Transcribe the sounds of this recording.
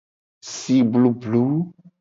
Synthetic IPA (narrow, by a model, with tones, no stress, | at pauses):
si˨blu˨blu˨˦